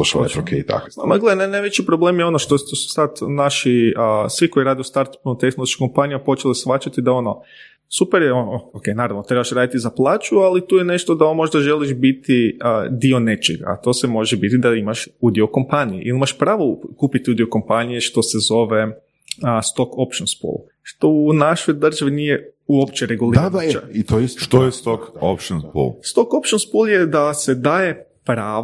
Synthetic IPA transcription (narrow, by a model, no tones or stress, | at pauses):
oʃokʰet̪a̰kmaɡle̞d̪enajnajʋet͡ʃipɾoble̞ːmjeo̞noʃt̪ot̪osu̥sad̪naʃiəsʋiko̞iɾaːd̪eust̪aɾt̪ḁpnut̪e̞xnoloʃkiko̞mpanijmapo̞t͡ʃe̞lisfʋat͡ʃat̪id̪ao̞no̞ | supeɾjeookejnaːɾaʋno̞t̪ɾebaʃɾaːd̪it̪izaplˠaːt͡ʃualit̪uːjene̞ʃt̪o̞d̪aomo̞ʒd̪aʒe̞liʃbit̪id̪io̞ne̞t͡ʃeɡa̰ːt̪o̞semo̞ʒebit̪id̪aimaʃud̪ioko̞mpanijeʔḭlimaʃpɾaːʋokuːpit̪iud̪ioko̞mpanijeʃt̪o̞se̞zo̞ʋe̞ | st̪o̞kopʃonspṵlˠ | ʃt̪o̞unaʃojd̪r̩ʒaʋinijeuopt͡ʃeɾeɡulˠid̪aait̪ojʃt̪ojest̪oko̰pʃonspṵlˠst̪o̞ko̞pʃonspulˠjed̪ase̞d̪aːje̞ | pɾaː